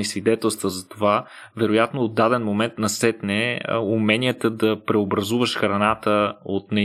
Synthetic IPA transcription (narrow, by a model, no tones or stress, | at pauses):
isvid̪ɛt̪ɛlˠst̪vəzɐt̪ova | vɛɾojat̪noːd̪ːad̪ɛnmomɛnt̪nɐsɛt̪nɛumɛnijət̪əd̪ɐpɾɛobɾɐzuvəʃxɾɐnat̪əot̪nɛ